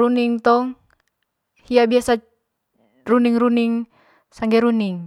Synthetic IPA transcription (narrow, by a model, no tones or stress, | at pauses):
ɾuniŋt̪ɔŋ | hiabiasa | runiŋruniŋ | saŋɡɛɾuniŋ